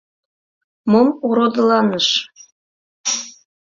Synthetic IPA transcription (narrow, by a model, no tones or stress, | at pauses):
momuɾod̪ɤlˠɑnɤʃ